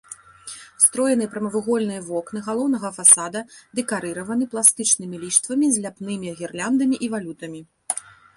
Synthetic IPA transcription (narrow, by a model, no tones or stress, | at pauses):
st̪ɾɔjɛnɨpɾɐmɐvɨɣɔlʲnɨjɐvɔknɨɣalˠɔwn̪ɐɣɐfasad̪ɐd̪ɛkaɾɨɾɐvɐnɨplˠast̪ɨt͡ʂnɨmʲilʲiʂt̪vɐmʲizʲlʲapnɨmʲiɣʲɛrlʲand̪ɐmʲiʔivalʲut̪ɐmʲi